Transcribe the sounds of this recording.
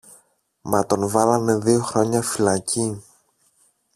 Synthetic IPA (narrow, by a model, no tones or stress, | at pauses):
mɐt̪o̞nvɐlɐne̞ðio̞xɾo̞ɲɐfilɐcʰi